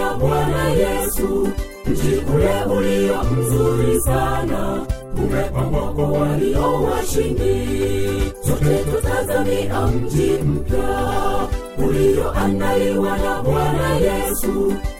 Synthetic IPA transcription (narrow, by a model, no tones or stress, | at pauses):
aɓwanajɛsu | d͡ʒikulɛʔuliam̩zuɾisanakumɛkamɔkɔwaliʔɔwaʃindi | t͡ʃakukɔtazamiʔam̩d͡ʒim̩pja | ulijɔʔandaliwanaɓwanajɛsu